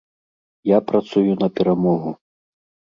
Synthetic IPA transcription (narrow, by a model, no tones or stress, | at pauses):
japɾat̪sujunɐpʲɛɾamɔɣu